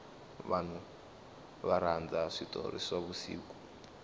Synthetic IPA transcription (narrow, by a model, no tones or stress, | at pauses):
βan̤u | βaɾand͡zaʂitɔ̰ɾḭsaβusḭːku